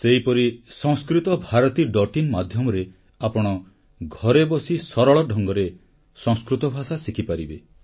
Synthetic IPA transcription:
seɦipɔɾisɔ̃ŋskɾit̪ɔbʱaɾɔt̪iɖɔʈinmad̪ʱjɔmɔɾe | apɔɽ̃ɔ | ɡʱɔɾebɔsisɔɾɔɭɔɖʱɔŋɡɔɾe | sɔ̃ŋ̃skɾut̪ɔbʱasasikʰipaɾibe

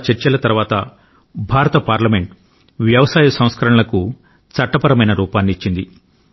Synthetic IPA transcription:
t͡ʃɐɾt͡ʃɐlɐt̪ɐɾʋaːt̪ɐ | bʱaːɾɐt̪ɐpaːɾlɐme̞ɳʈ | ʋjɐʋɐsaːjɐsɐ̃w̃skɐɾɐɳɐlɐku | t͡sɐʈːɐpɐɾɐmɐjnɐɾuːpaːnːiːt͡ʃːind̪ḭ

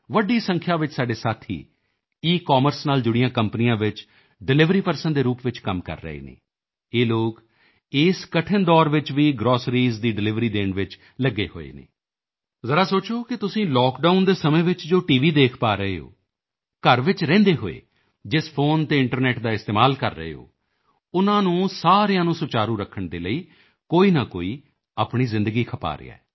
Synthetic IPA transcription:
ʋəɖiːsə̃ŋkʰjaːʋɪt͡ʃsaːɖeːsaːt̪ʰḭː | iːkɔːməɾsnaːld͡ʒʊɽɪjãːkəmpənɪjãːʋɪt͡ʃ | ɖɪlɪʋɾiːpəɾsənd̪eːɾuːpʋɪt͡ʃkəmkə̰ɾːə̰ḛːnḛː | eːloːk | ɪːskəʈʰənd̪ɔːɾʋɪt͡ʃʋiːɡɾɔːsɾiːzd̪iːɖɪlɪʋɾiːd̪ẽːnʋɪt͡ʃ | ləɡːeːho̰ːḛːnḛː | zəɾaːsoːt͡ʃoːkɪt̪ʊsĩːlɔːkɖaːʊnd̪eːsəmẽːʋɪt͡ʃd͡ʒoːʈiːʋiːd̪eːkʰpaːɾəeːɦo̰ː | kəɾʋɪt͡ʃɾɛ̃ːnd̪eːɦo̰ːḛː | d͡ʒɪspʰoːnt̪eːɪɳʈəɾnɛːʈd̪aːɪst̪eːmaːlkəɾːə̰ɦḛːɦo̰ː | ʊnãːnũːsaːɾejãːnũːsʊt͡ʃaːɾũːɾəkʰəɳd̪eːləiː | koːiːnaːko̰ːiː | aːpɳiːzɪ̃nd̪əɡiːkʰəpa̰ːɾɪ̰ːa̰ːɛː

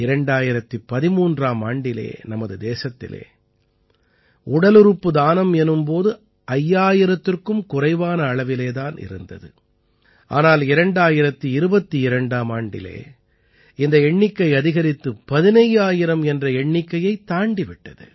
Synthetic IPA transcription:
ɪɾɐɳɖaːjɪɾɐt̪ːipːɐðɪmuːndraːmaːɳɖɪlḛːnɐmɐðɯd̪eːsɐt̪ːɪ̰lḛː | ʊɽɐlɯɾɯpːɯd̪aːnɐmɛnɯmpoːðɯ | ʔɐjːaːjɪɾɐt̪ːɪrkɯmkʊrɐɪʋaːnɐːɭɐʋɪleːðaːnɪ̰ɾɯ̰nd̪ɐ̰ðɯ̰ | ʔa̰ːnaːlɪɾɐɳɖaːjɪɾɐt̪ːiɪɾɯbɐt̪ːiɪɾɐɳɖaːmaːɳɖɪ̰lḛː | ɪnd̪ɐɛɳːɪkːɐɪɐðɪɣɐɾɪt̪ːɯpɐðɪnɐjaːjɪɾɐmɛndrɐɛɳːɪkːɐjɐɪt̪ːaːɳɖɪʋɪʈːɐðɯ̰

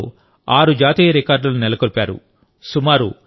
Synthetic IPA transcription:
aːɾud͡ʒaːt̪iːjɐɾikaːɾɖlɐlunɛlɐkoɾipʲaːɾṵ | sumaːɾu

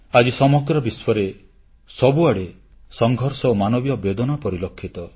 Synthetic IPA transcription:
ad͡ʒisɔmɔɡɾɔbiswɔɾe | sɔbuaɽe | sɔŋɡʱɔɾsɔomanɔbjɔbed̪ɔnɔpɔɾilɔkʰːit̪ɔ

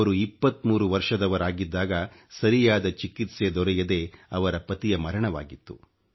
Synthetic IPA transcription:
ɐɾuipːɐt̪muːɾuʋɐɾʂɐd̪ɐʋɐɾaːɡid̪ːaːɡɐsɐɾijaːd̪ɐt͡ʃikit̪sed̪ɔɾɛjɐd̪e̞ɐʋɐɾɐpɐt̪ijɐmɐɾɐɳɐʋa̰ːɡit̪ːu

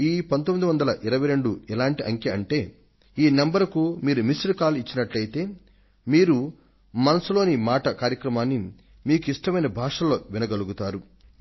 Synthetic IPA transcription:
iːpɐnt̪̬omːid̪iʋɐnd̪ɐlɐʔɪɾɐʋɐjɾe̞ɳɖuɛlaːɳʈiʔɐŋkjɐɐɳʈe̞ː | iːnembɐɾkumiːɾumisɾkaːlit͡ʃːinɐʈlɐjit̪e̞ː | miːɾu | mɐnɐsulo̞ːnimaːʈɐkaːɾjɐkɾɐmaːnːi | miːkuiʂʈɐmɐjnɐbʱaːʂɐlo̞ːʋinɐɡɐluɡut̪aːɾu

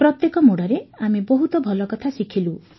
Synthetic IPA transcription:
pɾɔt̪jekɔmoɽɔɾeamibɔɦut̪ɔbʱɔlɔkɔt̪ʰasikʰilu

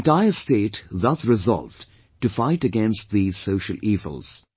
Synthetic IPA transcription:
nʈaɪəsteːʈðʌsɹɪzɔ̰lv | ʈɨfaɪʈəɡɛ̃nst̚ði̥soʊʃəlʔiːvə̰l̩ˠz̥

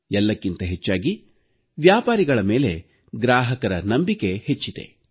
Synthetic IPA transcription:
ɛlːɐkːint̪ɐɦet͡ʃːaːɡi | ʋjaːpaːɾiɡɐɭɐme̞ːle̞ | ɡɾaːɦɐkɐɾɐnɐmbike̞het͡ʃːid̪e̞̰

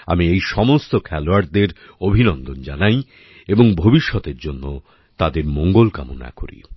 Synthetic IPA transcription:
a̰miejʃɔmost̪okʰɛloaɾd̪eɾ | obʱinɔnd̪ond͡ʑanaj | eboŋbʱobiʃːɔt̪eɾd͡ʑonːo | t̪ad̪eɾmoŋɡolka̰mona̰ko̰ɾḭ

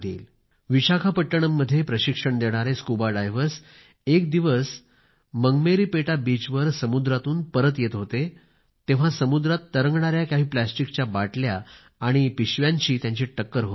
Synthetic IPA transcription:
d̪ḛːl | ʋiɕakʰapəʈːəɽ̃əmːəd̪ʱːjepɾəɕikʂəɳd̪eɽ̃aɾeskubaɖajʋəɾs | ek̚d̪iʋəs | məŋɡmeɾiːpeʈabit͡ɕʋəɾsəmud̪ɾat̪uːnpəɾət̪jet̪ɦot̪e | t̪eʋ̤asəmud̪ɾat̪ːəɾəŋɡɳaɾjakaɦiːplæsʈikt͡ɕjabaʈljaː | ɽ̃ipiɕʋjãɲt͡ɕiːt̪jãɲt͡ɕiʈəkːəɾɦo

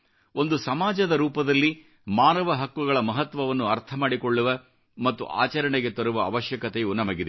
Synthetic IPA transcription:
o̞nd̪usɐmaːd͡ʒɐd̪ɐɾuːpɐd̪ɐlːi | maːnɐʋɐɦɐkʋuɡɐɭɐmɐɦɐt̪ʋɐʋɐnːuɐɾt̪ʰɐmaːɽiko̞ɭːuʋɐ | mɐt̪ːṵʔa̰ːt͡ʃɐɾɐɳeɡe̞t̪oɾuʋɐːʋɐʃjɐkɐt̪eunːɐmɐɡid̪e

